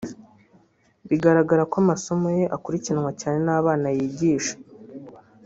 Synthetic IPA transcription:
βiɡaɾaɡaɾakoamaso̞moje̞ʔakuɾicinwacaːne̞naːβaːnajiːɟiːʃḁ

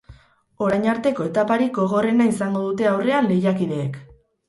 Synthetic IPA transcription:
o̞ɾajɲaɾt̪e̞ko̞e̞t̪apaɾiɡɡo̞ɣ̞o̞re̞naisaŋɡoðut̪e̞awre̞anle̞jakiðe̞ːk

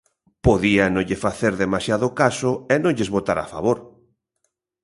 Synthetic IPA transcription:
poðianõʎɪfaθeɾðemasjaðʊkasʊɛnõŋʎezβot̪aɾa̰fa̰βoɾ

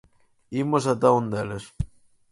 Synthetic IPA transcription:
imos̬at̪aund̪eles

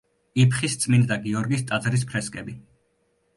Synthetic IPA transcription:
ipʰχist̪sʼmind̪d̪aɡiɔɾɡist̪ʼad̪zɾis̬pʰɾɛskʼɛbi

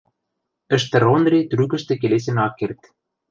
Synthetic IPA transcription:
ɘ̆ʃt̪ɘ̆ɾonrʲet̪rykɘ̆ʃt̪ɘ̆kelesĕnɑkːert̪

